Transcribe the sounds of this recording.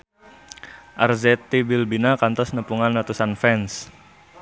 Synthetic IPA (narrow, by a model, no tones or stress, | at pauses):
ʔarzɛt̪ibilbinakant̪ɔsnəpuŋanlat̪usanfɛns